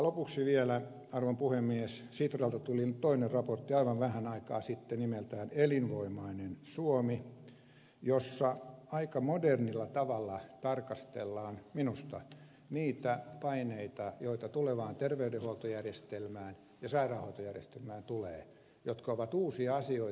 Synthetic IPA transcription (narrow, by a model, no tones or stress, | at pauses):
lopuksiʋielæ | ɑrʋompuhemːiessit̪rɑlt̪ɑt̪ulint̪oinerrɑport̪ːiɑiʋɑʋʋæhænɑikɑ̰ːsit̪ːenimelt̪æːnelinʋoimɑinensuomi | josːɑɑikɑmodernilːɑt̪ɑʋɑlːɑt̪ɑrkɑst̪ḛlːɑːnminust̪ɑ | niːt̪æpɑineit̪ɑjoit̪ɑt̪uleʋɑːnt̪erʋeydehuolt̪ojærjest̪elmæːn | jɑsɑirɑːhoit̪ojærjest̪elmæːnt̪uleː | jot̪kɑoʋɑt̪uːsiɑɑsioi